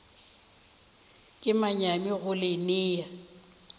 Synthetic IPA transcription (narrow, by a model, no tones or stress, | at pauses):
kʼɪmaɲamɪɣʊlɪnɪːja